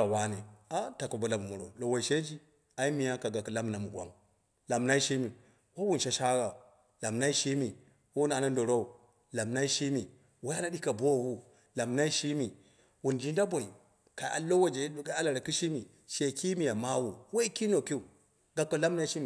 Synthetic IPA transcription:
a˨wa˦ne˨a˦ta˨ko˨bo˨la˨m˨mu˨ɾo̰˨lo˨wo˨i˨ʃe˦d͡ʒi˦ | a˨i˦mi˨ja˦ka˨ɡa˨kːa˨la˦m˨na˨mu˨ɡʷa̰˦ŋ | la˨mna˦i˦ʃi˦mi˨ | wa˦wu˦n˨ʃa˦ʃa˦ɡa˨ | la˨mna˦i˦ʃi˦mi˨ | wo˦wu˦n˨a˨na˦ndo˨ɾo˦u˨ | la˨mna˦i˦ʃi˦mi˨ | wa˦a˦na˦ɗi˦ka˨bo˦˨ɡu˦ | la˨mna˦i˦ʃi˦mi˨ | wu˨nd͡ʒi˦nda˦bo˨i˨ | ka˨a̰˨lo˦wa˦d͡ʒe˨˦ɗu˨ka˦a˦la˨ɾa˨ki˦ʃi˦mi˨ | ʃe˨ki˦mi˨ja˨ma˦wu˨wo˦i˦ki˦no˨ki˦u˨ | ɡa˨kːa˨la˦mna˦i˦ʃi˦m˨

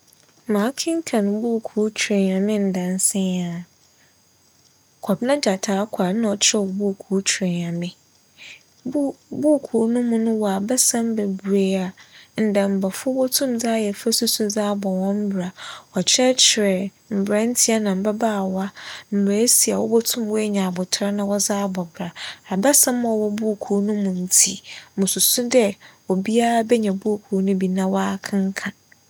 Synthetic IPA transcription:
mãː˨˦kʰɪ̃˦ŋ̩˦kʰã˨nʊ̃˨bu˦˨kʰu˨˦t͡ɕʰᶣɾe˨n˨ã˨mɪ̃˦n̩˨dã˨n˦sɪ̃˦a˨ | kʰɔ˨bɪ˦nã˦d͡ʑa˨tʰaː˨˦kʷʰa˨n˦nã˨ɔ˨t͡ɕʰɪ˦ɛ˦˨wɔ˨bu˦˨kʰu˨˦t͡ɕʰe˨n˨ã˨mɪ̃˦ | bu˦˨kʰu˨˦nʊ̃˦mũ˦nʊ̃˦wɔ˨a˨bɛ˦sã˦m˦bɛ˨bu˨ɾe˦a˨n̩˨dã˨m̩˨ba˨fʊ˦wɔ˦tʰũ˦md͡zaː˦jɛ˨fɛ˦su˦sʊ˦d͡zaː˦bɔ˨wɔ̃˦m̩˦bɾa˨ɔ˨t͡ɕʰɪ˦ɾɛ˦t͡ɕʰɪ˨ɾɛ˨ | m̩˨bɾa˦n̩˦tʰi˦a˦nã˨m̩˨ba˦baː˦˨wa˦m̩˨bɾa˨˦si˨a˨wɔ˦bɔ˦tʰʊ̃˦mwɔ˦e˦ɲã˨a˨bʊ˨tʰɾa˦nã˨wɔ˦zaː˦bɔ˨bɾa˨a˨ba˦sã˦m˦˨ɔ˨wɔ˦bu˦˨kʰu˨˦nũ˦mũ˨n̩˦tʰi˦mʊ̃˨su˨sũ˦dɛ˦wɔ˨bi˦a˦a˦bɛ˦ɲɛ̃˨bu˦˨kʰu˨˦nũ˦bi˦nã˦wɔ˦a˦˨kʰã˦ŋ˦kʰã˨

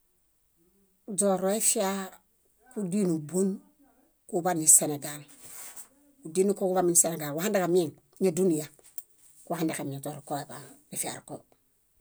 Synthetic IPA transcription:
d͡ʒo˨ɾo˦e˦fi˦a˦ | ku˦di˦nu˨bo˦n | ku˦ba˦ni˨se˨ne˨ɡa˨l | u˨di˦nu˦ko˦ku˦ba˦mi˨ni˨se˨ne˨ɡa˨lwa˨ha˦nda˦ka˨m˦e˦˨ŋ | ɲa˦˨du˦ni˨ja˨ | kuwa˨ha˦nda˨ka˨mi˨a˨d͡ʒo˨ɾo˨ko˦e˨ba˨ɾi˦fi˦a̰˨ɾko˦

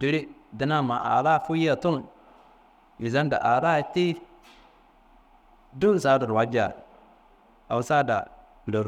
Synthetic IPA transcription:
di˨ɾi˦di˦na˦ma˨ʔa̰˨ɾa˦˨fu˦ji˦a˨tu˦n | ji˨za˦nda̰˨ʔa˨ɾa˦˨ti˦ | du˦˨sa˦da˨ɾwa˦d͡ʒa̰˨ | a˨u˦sa˦da̰˨ | lo˨˦ɾ

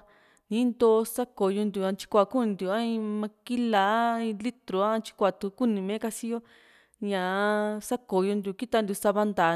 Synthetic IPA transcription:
nĩ˨˦nd̪o˦˧sa˦ko˨jo˧nd̪ʲu˨ã˧t͡ʃi̥˧kʷa˨ku˦nĩ˧nd̪ʲu˨ã˦ĩ˧mã˧ki˦la˨˦ĩ˧li˦t̪ɾo˨ã˦˧t͡ʃi̥˧kʷa˨t̪u˨˦ku˦˨nĩ˨mẽ˦ka˧si˦jo˦ | ɲã˨sa˦ko˨jo˧nd̪ʲu˨ki˦t̪a˧nd̪ʲu˨sa˧βa˧nd̪a˨

